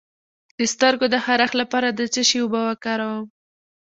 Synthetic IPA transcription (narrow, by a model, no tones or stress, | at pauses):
d̪̥əst̪əɾɡod̪əxaɾaxlapɑɾad̪ət͡səʃeobawakɑɾawəm